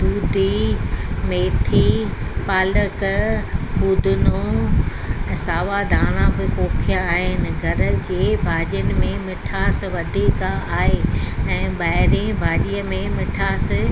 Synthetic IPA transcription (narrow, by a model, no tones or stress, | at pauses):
d̪uːd̪ʱi | meːt̪ʰipaːlək | pud̪ʱʊnũ | saːʋad̪ʱaːɽ̃ãbɪpoːkʰijãaːɦɪnɪ̆ɡʱɐɾ̆d͡ʑeːbʱaːʄjənɪ̆mẽmɪʈʰaːs̆ʋɐd̪ʱiːkaaːɦeɛ̃ːɓaːɦɪɾẽbʱaːʄijəmẽmɪʈʰaːs̆